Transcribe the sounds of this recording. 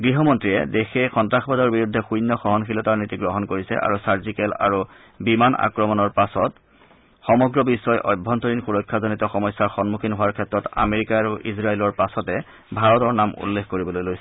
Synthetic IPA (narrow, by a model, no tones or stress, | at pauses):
ɡɹiɦɔmɔntɹijɛ̰dexexɔntɹaxbadɔɹbiɹud̪ʱːɛxujnːɔxɔɦɔnxʰilɔtaɹnitiɡɹɔɦɔnkoɹisɛ̰ʔa̰ɹusaɹzikɛla̰ɹu | bimana̰kɹɔmɔnɔɹpasɔt | xɔmɔɡɹɔbisːɔjʔɔ̰jbʱːɔntoɹinxuɹɔjkʰːazonitɔxɔmɔjsːaɹxɔnmukʰinɦowaɹkʰɛtɹɔta̰meɹikaːɹuʔisɹaelɔɹpasɔtɛ | bʱaɹɔtɔɹnamṵlːexkoɹibɔlojlojsɛ